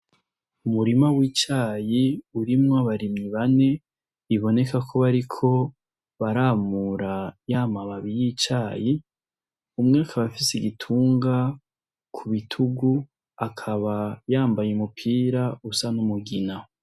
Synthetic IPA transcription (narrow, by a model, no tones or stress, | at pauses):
umuɾimawiːt͡ʃaːjiuɾimŋaβaɾimɲiβane̞ | iβo̞ne̞kakʰo̞βaɾikʰo̞ | βaɾamuɾajaːmaβaβijit͡ʃaːji | umŋeakʰaβafisiɡitʰuːŋɡa | kʰuβitʰuɡu | akʰaβajaːmbajemupʰiːɾausanumuɡina